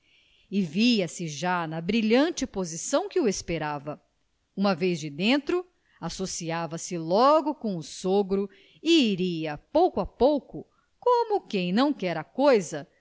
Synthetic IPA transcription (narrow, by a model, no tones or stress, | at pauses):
ɪviɐsɪʒanɐbɾiʎɐ̃nt͡ʃɪpozisɐ̃w̃kɪʊespeɾavɐ | ũmɐvejzd͡ʒɪd̪ẽnt̪ɾʊ | asosiavɐsɪlɔɡʊkõw̃ʊsoɡɾʊ | ɪːɾiɐpowkʊɐpowkʊ | kõmʊkẽj̃nɐ̃w̃kɛɾɐkojzɐ